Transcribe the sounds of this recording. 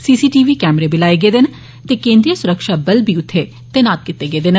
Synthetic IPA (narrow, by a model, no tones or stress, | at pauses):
siːsiːʈiːʋiːkɛːmɾeːbɪlaːeːɡeːd̪ɪn | t̪eːkẽːnd̪ɾijəsʊɾəkʃaːbəlbʱiːʊt̪ʰːe | t̪eːnaːt̪̚kɪt̪ːeːɡeːd̪ɪn